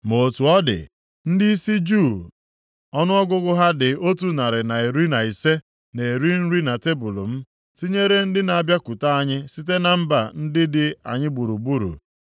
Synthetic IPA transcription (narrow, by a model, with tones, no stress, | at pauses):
mo˨tu˨ɔ˦dɪ̰˨ | n̩˦dɪ˦i˦si˦d͡ʒu˦˨ | ɔ˦nʊ˦ɔ˦ɡʊ˦ɡʊ˦ɦa˦dɪ˨o˦tu˨na˨ɾɪ˨na˨e˨ɾi˦na˨i˨se˦ | ne˨ɾi˦n̩˦ɾi˦na˨te˦bu˨lo̰˨m̩˦ | ti˦ɲe˦ɾe˦n̩˦dɪ˦na˨a˨bja˦kʊ˨ta˦a˦ɲɪ˦si˦t̬e˦na˨m̩˦ba˨n̩˦dɪ˦dɪ˨a̰˨ɲɪ˦bu˨ɾu˨bu˦ɾṵ˨